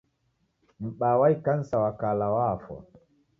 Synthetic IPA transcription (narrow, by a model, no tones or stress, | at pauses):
m̩ɓaːwajkansawakalawafɔ̰